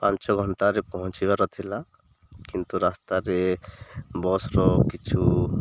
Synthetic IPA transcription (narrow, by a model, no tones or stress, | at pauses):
pãnt͡ʃɔɡʱɔɳʈaɾepɔɦɔ̃nt͡ʃʰibaɾɔt̪ʰila | kint̪uɾast̪aɾe | bɔsɾɔkit͡ʃʰu